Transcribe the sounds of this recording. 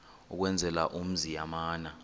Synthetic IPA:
ṵk̬wɛnd͡zʱɛla̰ʔum̩zijamaːna

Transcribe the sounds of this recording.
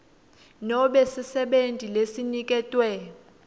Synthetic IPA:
nɔɓɛsisɛɓentʼilesinik̬ʼɛtʼwɛ

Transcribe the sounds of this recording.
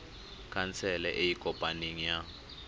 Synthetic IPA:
kʼʰant͡sʰɛlɛʔejikʼɔpʼaniŋija

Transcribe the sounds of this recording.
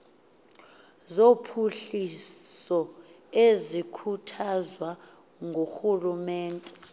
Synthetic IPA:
zopʰuɬisɔ | ezikʰutʰazwa | ŋɡʱoxulumɛːntʼɛ

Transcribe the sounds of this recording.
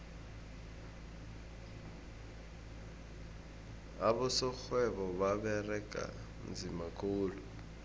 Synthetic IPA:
aβʊsɔk͡xʰwɛβɔβaβɛrɛkʼa̰ | m̩d͡zimakʰʼuːlu

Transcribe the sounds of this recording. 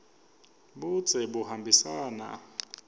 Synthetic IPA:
ɓut͡sʰʼɛɓuhambʱisaːna̰

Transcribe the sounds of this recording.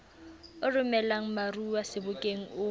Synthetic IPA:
ʊrʊmɛlaŋ̩maruwasɪbʊkʼeŋ̩ʊ

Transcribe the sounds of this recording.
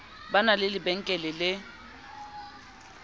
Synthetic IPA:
banalɪlɪbɛŋ̩kʼɛlɪlɪ

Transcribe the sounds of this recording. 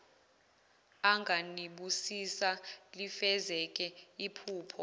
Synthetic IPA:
aŋɡʱaniɓusisalifɛzɛk̬ʼɛipʰuːpʰɔ

